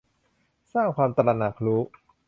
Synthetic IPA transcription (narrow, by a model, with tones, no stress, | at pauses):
saː˥˩ŋkʰwaː˧mt̪a˧la˧na˨˩k̚ʰɾuː˦˥